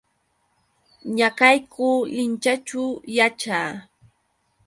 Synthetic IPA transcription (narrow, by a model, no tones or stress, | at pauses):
ɲakajkʰʊːlɪnt͡ʃat͡ʃʊjat͡ʃaː